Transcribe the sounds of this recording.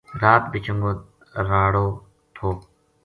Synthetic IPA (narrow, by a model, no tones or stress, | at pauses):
d̪aːt̪̚bɪt͡ʃəŋɡoː | ɾaːɽoː | t̪ʰoː